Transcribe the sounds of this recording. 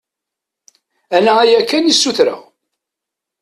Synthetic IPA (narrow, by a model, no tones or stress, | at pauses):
ænææjækːænjisːuθɾa̰